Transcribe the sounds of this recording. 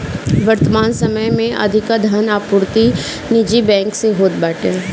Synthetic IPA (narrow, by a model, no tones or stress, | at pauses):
ʋɐɾt̪əmaːnsɐməjmẽʔɐ̰d̪ʱɪkad̪ʱanaːpʊɾt̪i | nɪd͡ʒibɛ̃ːŋkseɦoːt̪̚baːʈe